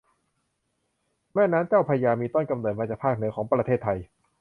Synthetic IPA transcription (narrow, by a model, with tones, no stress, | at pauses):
mɛː˥˩naː˦˥nt͡ɕaː˥˩wpʰaː˧jaː˧miː˧t̪ɔ˥˩nka˧mnoː˨˩t̪̚mːa˧t͡ɕaː˨˩pʰaː˥˩k̚nɯ˩˦kʰɔː˩˦ŋpɾa˧t̪ʰeː˥˩t̪ʰːa˧j